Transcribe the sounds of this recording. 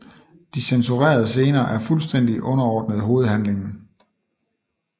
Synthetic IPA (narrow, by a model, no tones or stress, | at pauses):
d̥isensuʁɛ̰ːɐð̞ˠs̬e̝ːnɐːʔæɐfulsd̥en̰d̥iʔɔ̽nɐɒːd̥nəð̞̩ˠɦo̝ːð̩ˠhænle̝ŋn̩